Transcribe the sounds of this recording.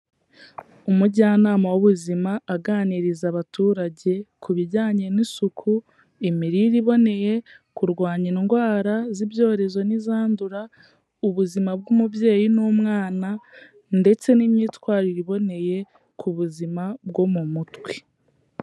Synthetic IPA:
umuɟaːnaːmawuβuzimaːɡaːniɾizaβatuːɾaɟe̞kuβiɾɟaːɲe̞nisukʰu | imiɾiɾiβo̞ne̞je̞kuɾɡwaːɲiiŋɡwaːɾaziβjo̞ːɾe̞zo̞nizaːnduɾa | uβuzimab̚ɡumubje̞ːjinumŋaːna | nde̞t͡se̞nimɲiːtwaːɾiɾiβo̞ne̞je̞ | kʰuβuzimabɡo̞mumutwe̥

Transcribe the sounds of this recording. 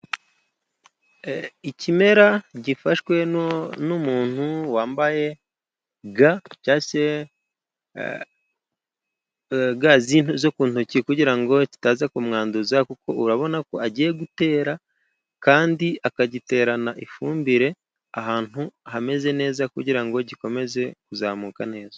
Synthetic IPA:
icime̞ɾaɟifaʃwe̞numuːn̥huwaːmbaje̞ | ɡacaːse | ɡaziːnuzokuːntucikuɟiɾaŋɡo̞ci̥taːzakumŋaːnduzakuko̞̰ʔuɾaβo̞nako̞aɟije̞ɡute̞ːɾa | kaːndiʔakaɟite̞ːɾanaʔifuːmbiɾe̞ | aɦaːn̥uhame̞ze̞ne̞ːzakuɟiɾaŋɡo̞ɟiko̞me̞ze̞kuzaːmuːkane̞ːzḁ

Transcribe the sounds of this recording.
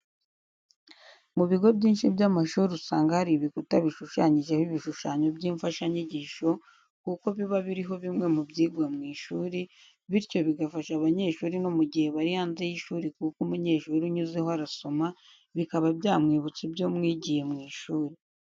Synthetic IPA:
muβiɡo̞bɟiːnʃibɟamaʃuːɾiusaːŋɡahaɾiβikutaβiʃuʃaːɲiʒe̞hiβiʃuʃaːɲo̞bɟiːɱfaʃaɲiɟiːʃo̞ | kuko̞βiβaβiɾiɦo̞βimŋe̞mubɟiːɡwamŋiːʃuːɾi | βiɾco̞βiɡafaʃaβaɲe̞ːʃuːɾino̞muɟihe̞βaɾihaːnze̞jiʃuːɾikukumuɲe̞ːʃuːɾiɲuze̞hoaɾaso̞ma | βikaβabjaːmŋiːβut͡sibjo̞ːmŋiːɟije̞mŋiːʃuːɾi

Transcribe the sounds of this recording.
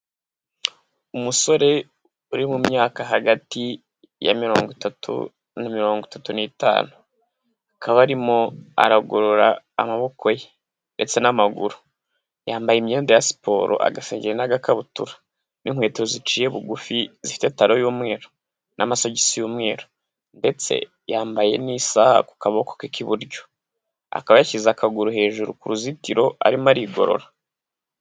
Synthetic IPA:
umuso̞ɾe̞ | uɾimumɲaːkaɦaɡati | ja̰miɾoːŋɡitatʰṵ | namiɾo̞ːŋɡwitatunita̰ːnu | akʰaβaɾimoa̰ɾaɡoɾoɾaː | maβo̞kʰo̞je | nde̞t͡se̞namaɡuɾu | jaːmbajimɲeːndejasi̥pʰo̞̰ːɾo̞̰ʔa̰ɡaseːɲɟiɾenaɡakaβutṵɾḁ | niŋwe̞ːtiozit͡ʃiːjeβuɡufizifi̥te̞taɾo̞juːmŋe̞ːɾo | nʔamaso̞ɟisijuːmŋe̞ːɾo | nde̞t͡se̞̰ | jaːmbaje̞̰nisaha̰ku̥kaβaoko̥kikiβuɾɟo̞̥ | a̰kaβajacizakʰaɡuɾuɦe̞ːʒuɾukuɾuzitiɾo̞a̰ɾimaɾiːɡo̞̰ɾo̞̰ɾa

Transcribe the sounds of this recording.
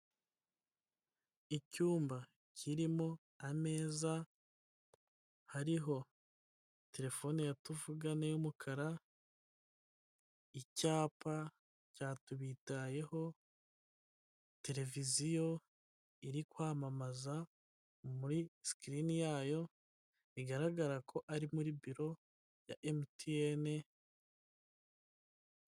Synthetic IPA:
icuːmba | cʰiɾimo | ame̞ːza | haɾiɦo̞ | te̞ɾe̞fo̞nijatuvuɡanejumukʰaɾa | icaːpa | caːtuβitaje̞ho̞ | te̞ɾe̞vizijo̞ | iɾikwaːmamaza | muɾiskɾinijaːjo̞ | iɡaɾaɡaɾakʰo̞ʔaɾimuɾibiɾo̞ | ja̰ʔemtʰiene

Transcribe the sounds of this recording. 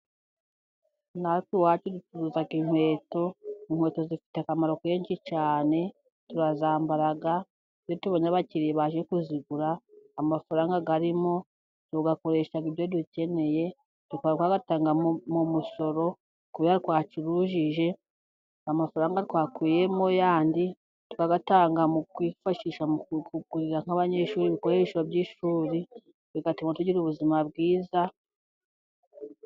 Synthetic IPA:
naɾituwaːt͡ʃedut͡ʃuɾuzaɡiŋwe̞ːto̞iŋ̥we̞ːto̞zifi̥takamaɾo̞ke̞ːɲʃit͡ʃaːne̞ | tuɾazaːmbaɾaɡa | iβjotuβoɲaβaciɾiβaʒekuziɡuɾaːmafaɾaːŋɡaɡaɾimo̞ | tuɡako̞ɾe̞ːʃaɡibjoduce̞ne̞je̞ | d̥ukoɾɡwaɡatutaːŋɡamumuso̞ɾo̞ | kuβihaɾitwaːt͡ʃiɾuʒiʒe̞ | amafaɾaːŋɡatwaːkwiːje̞mo̞jaːndi | tu̥kaɡataːŋɡamukwiːfaʃiʃamukuɡuɾiɾaŋ̥aβaɲe̞ʃuːɾiβikoɾeʃabjiːʃuːɾi | βiɡatimotuɟiɾuβuzimabɡiːza

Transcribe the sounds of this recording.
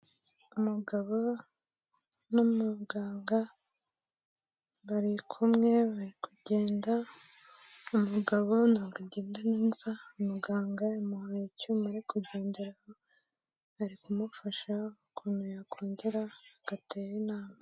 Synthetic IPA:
umuɡaβo̞ | nomuɡaːŋɡa | βaɾikʰumŋe̞βaɾikuɟe̞ːnda | umuɡaβo̞naːɡaɟeːndaniːnzaumuɡaːŋɡajamuhajicuːmaɾikuɟe̞ːndeɾaho | aɾikumufaʃakʰunujakʰoːɲɟeɾaaɡ̥atʰejinaːma

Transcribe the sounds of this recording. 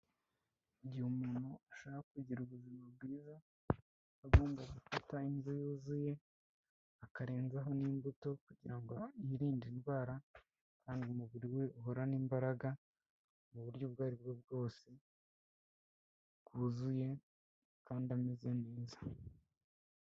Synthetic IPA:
ɟihumuːnhuaʃaːakuɟiɾuβuzimab̚ɡiːzaː | ɡoːmbaɡufatainzojuːzuje̞ | akaɾeːnzaɦo̞niːmbuto̞kuɟiɾaŋɡoiɾiːndinɡaːɾa | kʰaːndiumuβuɾiwe̞ʔuɦo̞ɾaniːmbaɾaɡa | muβuɾɟo̞bɡaːɾib̚ɡeb̚ɡo̞ːse̞ | kuzuje̞ | kaːndiamize̞neːza

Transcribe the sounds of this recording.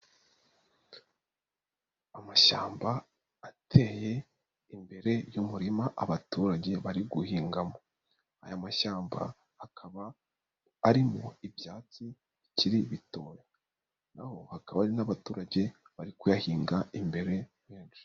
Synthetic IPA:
amaʃaːmba | atʰe̞ːje̞ | imbe̞ɾe̞jumuɾimaʔaβatuːɾaɟe̞βaɾiɡuhiːŋɡamo | a̰jamaʃaːmba̰ | akʰaβaː | ɾimo̞ivjaːt͡si | iciɾiβito̞ːja | naho̞hakaβaɾinaβatuːɾaɟe̞ | βaɾikujahiːŋɡaimbe̞ɾe̞weːnʃe̥

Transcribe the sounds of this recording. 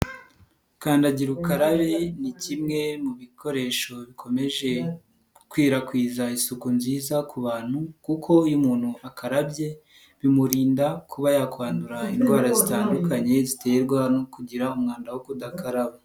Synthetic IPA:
kaːndaɟiɾukaɾaβe̞nicimŋe̞muβikʰo̞ɾe̞ʃo̞βikʰo̞me̞ʒe̞ | kwiːɾakwiːzaisukunziːzakuβaːn̥hukukʰo̞jumuːn̥huakʰaɾabje̞ | βimuɾiːndakʰuβajakwaːnduɾainɡwaːɾazitaːndukaɲe̞zite̞jeɾɡwanokuɟiɾaumŋaːndawokudakaɾaβa

